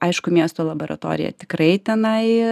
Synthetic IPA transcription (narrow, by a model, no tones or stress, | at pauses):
ɐɪʃkʊmʲiɛst̪oːlˠɐboːɾʔɐ̰t̪o̰ːɾʲɪ̰jɛ̰t̪ʲɪkɾɐɪt̪ʲɛnɐɪ